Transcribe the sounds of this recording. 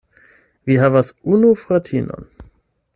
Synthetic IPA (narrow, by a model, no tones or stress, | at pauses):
viɦavasunufʁatʰino̰n